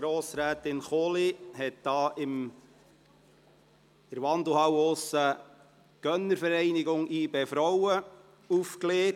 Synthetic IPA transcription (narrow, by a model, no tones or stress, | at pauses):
ɡ̥ɾoːsɾæːtɪnχoːlihɛt̚d̥ɑːʔɪm | ɪɾʋɑnd̪l̩ˠhɑwʊsə | ɡ̥œnːəɾfəɾɛɪnɪɡʊŋʔiːbefɾowə | ufkleː